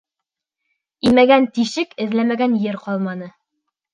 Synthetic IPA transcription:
imæɡænt̪iʃɘkɘ̆ðlæmæɡænjɘɾqɒlˠmɑnɤ

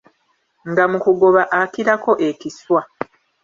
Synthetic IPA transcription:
ŋɡamukuɡo̞βaʔakiɾako̞ʔe̞kiswa

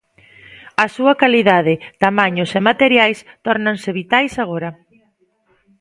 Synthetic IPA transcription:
ɐsuɐkaliðað̞ɪt̪amaɲosemat̪eɾjajst̪ɔɾnansɪβit̪ajsaɣ̞ɔɾɐ

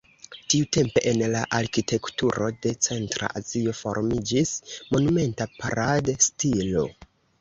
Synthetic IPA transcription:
tiute̞mpe̞ʔenlaʔaɾkitʰe̞ktuɾo̞de̞t͡se̞ntɾa̰ʔazio̞fo̞̰ɾmid͡ʒismo̞nume̞ntapaɾadstilo̞̰

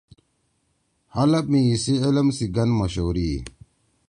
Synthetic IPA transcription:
hɐlɐp̚miːsielɐmsiɡɐnmɐɕoːɾiː

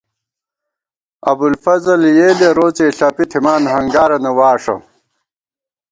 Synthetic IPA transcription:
ɐ̰bulfɐzɐljeːleɾoːt͡seɬɐpit̪ʰimaːnɦɐŋɡaːɾɐnɐwaːʂɐ̰

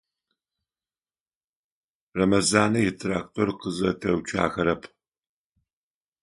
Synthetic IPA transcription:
rɐmɐzaːnɐjɛtʰraːk̚tʰorqəzɐtʰɐwt͡ʃʰa̰ːxɐɾɐpʰ

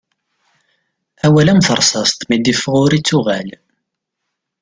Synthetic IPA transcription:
æwælæmθəɾˤsɑst̪mid̪ifʁʊɾit͡sːʊʁæl

